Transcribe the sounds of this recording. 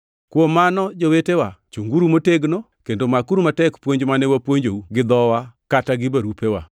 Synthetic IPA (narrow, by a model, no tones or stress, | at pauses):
kwomanɔd͡ʒowetewat͡ʃuŋɡuɾumoteɡno | kendomakuɾumatɛkpwoɲd͡ʒmanewapwoɲd͡ʒouɡɪd̪ɔwakataɡɪbaɾupewa̰